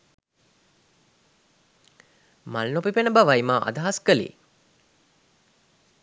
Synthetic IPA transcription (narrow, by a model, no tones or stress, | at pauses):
malːopipenəbaʋajmaːʔa̰d̪aɦaskəlḭ